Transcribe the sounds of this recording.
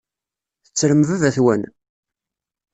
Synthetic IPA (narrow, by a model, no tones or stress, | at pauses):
θət͡sːɾəmvævæθwæn